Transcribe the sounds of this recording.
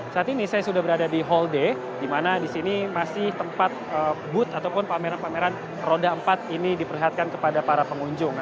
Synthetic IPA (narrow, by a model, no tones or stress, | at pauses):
saat̪inɪsajasudahbəɾadadiɦɔlde | dimanadisinimasɪht̪əmpat̪̚əbʊt̪at̪awpʊnpameɾanpameɾan | rodaəmpat̪̚inidipərliɦat̪̚kankəpadapaɾapəŋuɲd͡ʒʊŋ